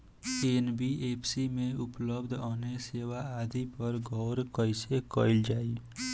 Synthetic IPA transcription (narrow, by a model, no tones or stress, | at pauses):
eːnbieːpʰsimẽʊpləbd̪ʱoːneseːwaaːd̪ipəɾɡʱɔːɾkəisekəːɪld͡ʒaːi